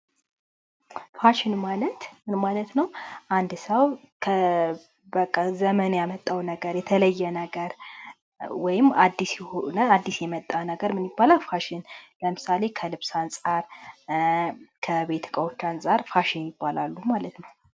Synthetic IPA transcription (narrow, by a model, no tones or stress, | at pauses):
faʃɪnmalət̪mɨnmalət̪nəwʔand̪səw | kʰə | bəkʼːazəmənjamət̪ʼːawnəɡəɾjɛt̪ʰələjːɛnəɡəɾ | wɔjɪmad̪ːisjɛhonəad̪ːisjɛmət̪ʼːanəɡəɾmɨnɪbːalawfaʃɪnləmɨsale̞kʰəlɨβsansʼaɾ | kʰəβe̞t̪ʰkʼəwot͡ʃːansʼaɾfaʃɪnjɪbːalalːumalət̪nəw